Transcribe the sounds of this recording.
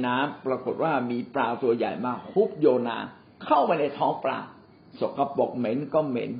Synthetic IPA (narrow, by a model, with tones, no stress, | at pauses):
naː˦˥mpɾa˧ko˨˩t̪̚waː˥˩miː˧pɾaː˧wt̪u˧ɐja̰ː˨˩jmaː˧hu˦˥p̚joː˧na̰ː˧ | kʰa˥˩wma˧jna˧jt̪ʰɔː˦˥ŋpɾa̰ː˧ | so˨˩kːa˧po˨˩k̚me˦˥nkɔː˥˩mḛ˦˥n